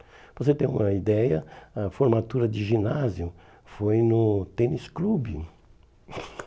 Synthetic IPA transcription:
voset̪ẽj̃ṵ̃mɐid̪ɛjɐɐfoɾmat̪uɾɐd͡ʒɪʒinazjʊ | fojnʊt̪ẽnisklubɪ̰

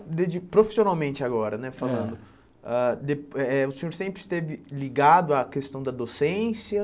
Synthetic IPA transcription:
d̪ed͡ʒipɾofi̥sionawmẽnt͡ʃɪaɡɔɾɐnɛfalɐ̃nd̪ʊ | ad̪epɛʊsẽɲoɾsẽmpɾɪst̪evɪliɡad̪ʊakest̪ɐ̃w̃d̪ɐd̪osẽsiɐ

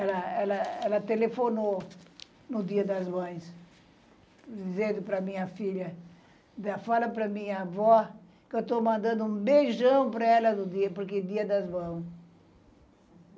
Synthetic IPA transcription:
ɛlɐɛlɐɛlɐt̪elefono | nʊd̪iɐd̪ɐzmɐ̃j̃s | d̪izẽnd̪ʊpɾɐmĩɲɐfiʎɐ | d̪ɐfalɐpɾɐmĩɲɐːvɔ | kɪewt̪omɐ̃nd̪ɐ̃nd̪ʊũbejʒɐ̃w̃pɾɐɛlɐnʊd̪iɐpoɾked̪iɐd̪ɐzmɐ̃w̃s

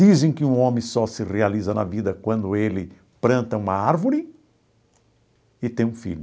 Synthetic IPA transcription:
izẽj̃kɪũõmẽj̃sɔsɪrealizɐnɐ̰vid̪ɐkwɐ̃nd̪ʊelɪ | pɾɐ̃nt̪ɐũmɐaɾvʊɾɪ | ɪt̪ẽj̃ũfḭʎʊ

